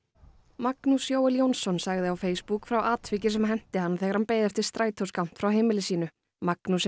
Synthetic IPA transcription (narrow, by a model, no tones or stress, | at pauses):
maknusjoːwɛljownsːɔnsaɣðɪawfeːjspukfɾawʔaːt̪fɪcɪs̬ɛmɦɛm̥t̪ɪhanːθɛɣaɾ̥hanpeːjðɛft̪ɪɾ̥st̪ɾaːjt̪ʰowskawm̥t̪fɾawɦeːjmɪlɪsiːnʏ | maknus